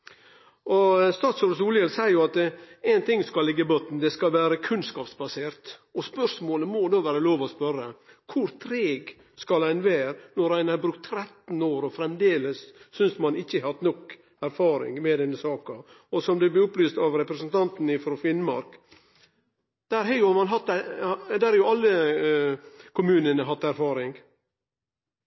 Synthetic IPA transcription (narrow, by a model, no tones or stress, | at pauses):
ʔɔst̪ɑːt̪sɔɖ̪suːljɛlsæɪɾjʊɑt̪ɛɪnt̪ʰɪŋːskɑlːɪɡːəbɔt̪n̩d̪ɛskɑlʋæːɾəkʰʉnskɑːpsbɑseːɾt̪ɔspœʂmoːləmɔd̪oːʋæːɾəloːʋɔspœɾə | kʰʊɾt̪ʰɾeːɡ | skɑlæɪnʋæːɾnɔɾæɪnɑbɾʉkt̪ʰːɾɛt̪n̩oːɾɔfɾɛmd̪eːləsːʏnsmɑnɪçːəhɑt̪nɔk | æɾfɑːɾɪ̰ŋmɛd̪ɛnːəsɑːkɑ | ɔsɔmd̪ɛblɪʊplyːst̪ɑʋɾɛpɾɛsənt̪ɑnt̪n̩ɪfɾɔfɪnmɑɾk | d̪̥æɾɦɛjʊhɑmɑnɦɑt̪ːæd̪æɾhɑɾjʊɑlːə | kʰʊmʉːnənəɦɑt̪ːæɾfɑːɾɪŋ